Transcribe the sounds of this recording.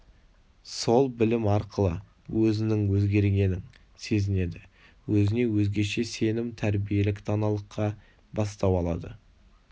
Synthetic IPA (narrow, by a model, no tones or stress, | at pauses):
so̞lˠbɪlɪmɑɾqəlˠə̰ | wʔɵzɪnɪŋwɵzɡʲe̞ɾɡʲe̞nɪŋ | se̞zɪne̞d̪ɪ | wɵzɪne̞wɵzɡʲe̞ʃe̞se̞nɪmt̪ʰæɾbije̞lɪkt̪ʰɑnɑlˠəqʰːɑ | bɑst̪ɑwɑlˠɑ̰d̪ə